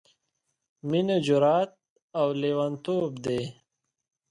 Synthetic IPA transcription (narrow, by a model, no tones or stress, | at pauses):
mined͡ʑuɾaːt̪̚ | awleːwɐnt̪oːbd̪eː